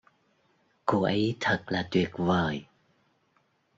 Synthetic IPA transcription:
ko˧˩ʔə˨˦jt̪ʰə˨˩t̚laː˨˩t̪wi˨˩ət̚vəː˨˩j

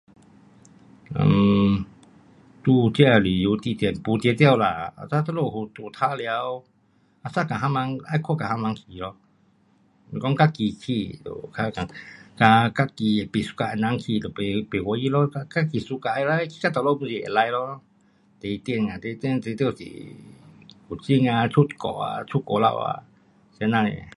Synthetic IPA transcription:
ə̰˧˨m | t̪u˧t͡ɕi˦a˧˨li˨ju˨˧˦t̪i˧t̪jnpu˧t̪t̪ja˧˨wla˨˩a̰˧sa˦˥t̪ə˦lo˧˩hu˧t̪u˧˨t̪ʰa˦˥lja˧w | a˧sa˦˧˨ka˨ɦa˧mã˧ŋʔa˧˨jkʰɔ˧˨ka˨ha˧˦mã˧ŋkʰi˧˨lɔ˧˨ | kɔ˦ŋka˦ki˧kʰi˧˨d̪o̰˨kʰa˧ka˨ŋka˧ka˧ki˧˩˨pi˨su̥˧ka˧˨a˧˨nã˧ŋkʰi˧˨d̪o˨pe˨pe˨wɔ˧˦ji˧˦˨lɔ˦a˧ka˦˥ki˨˩su˧ka˧ʔa˧˨la˧˦kʰi̥˧˨ka˧˨t̪ɔ˨lɔ˧˨mu˧˨si˧˨ḛ˨la˧jlɔ˧˦ | t̪e˨˧t̪i˧˨nŋa˨t̪e˧˦t̪nt̪e˧t̪sḭ˧˨ | hu˨˩t͡ɕi˧˨ŋa˧t͡ɕʰu˦˥˨t̪̚kɔ̰˧˨a̰˧˨t͡ʃʰu˦t̪̚kɔ˧˨la̰˧wa̰˧˨ | snã˧ŋḛ˧˨

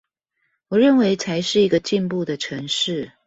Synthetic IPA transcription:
wɔ˨˩ɻə˥˩nwe˧˥ɪt͡sʰa˧˦ɪʂɻ̩˥˩i˧˥ɡə˧t͡ɕi˥˧npu˥˨d̪ə˨ʈ͡ʂʰɤ˧˦ŋʂɻ̩˥˩

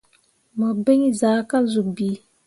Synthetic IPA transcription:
mɔ˨be˦ŋi˦zaː˨˦ka˦lzu˨kbi˨˦

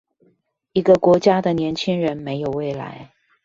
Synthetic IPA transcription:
i˧˥ɡə˧kwɔ˧˥t͡ɕja˥d̪ə˨njɛ˧˥nt͡ɕʰi˥ŋɻə˧˥nme˧˥ɪjo˨˩ʊwe˥˩ɪla̰˧˥ɪ

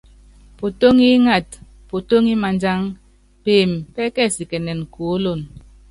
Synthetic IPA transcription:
po˨to˦ŋi˦ŋa˨t̚ | po˨to˦ŋi˦ma˨nd͡ʒa˦ŋ | peː˨mpɛ˦kɛ˦˨si˨kɛ˨nɛ˨n˨ko˨˦lo˦˨n

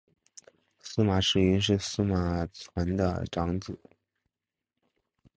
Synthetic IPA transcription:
sɹ̩˥˧ma˨˩ʂɻ̩˨˩y˧˥ʂ̬ɻ̩˥˩sɹ̩˥˧ma˨˩t͡sʰwa˧˥nd̪ə̰˧ʈ͡ʂɑ˧˥ŋt͡sɹ̩˨˩˦

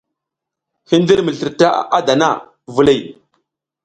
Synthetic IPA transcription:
hi˦n˦di˦ɾmə˨ɬi˨ɾta˦ʔa˦da˨na˦˨ | vu˦le˦˨j

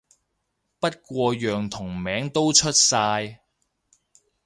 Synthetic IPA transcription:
pɐ˥t̚kʷɔː˧jœː˨ŋt̪ʰʊ˨˩ŋmɛː˨˥ŋt̪o˥wt͡ʃʰɵ˥t̚saː˧j

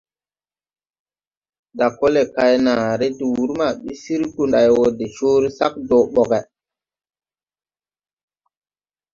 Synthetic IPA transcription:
da˨kːo˦le˨ka˦jna˨ɾe˦ti˨wu˨˦ɾma˨ɓi˦si˦ɾku˦nɗa˨jwo˨de˨t͡ʃoː˦ɾi˦sa˦k̚do˨ɓɔ˨ɡɛ˨

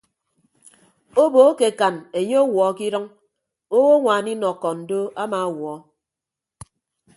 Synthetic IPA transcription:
o˦boː˨˦ke˨ka˨ne˨ɲe˦o˦wɔ˨˦ki˦ɾɔ˦ŋ | o˦wo˦ŋʷaː˨ni˦nɔ˨kːɔ˨n̩˨do˦a˦ma˨wɔː˨˦

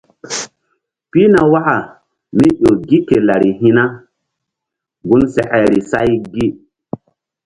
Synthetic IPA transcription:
pi˦na˨wa˦ʔa˨ | mi˦ɗo˨ɡi˦ke˨la˨ɾi˨ɦi˦na˦ | ɡu˦nsɛ˨ʔɛ˨ɾi˨sa̰˦jɡi˦

